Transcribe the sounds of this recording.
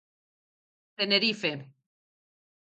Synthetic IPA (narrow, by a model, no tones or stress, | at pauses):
t̪eneɾife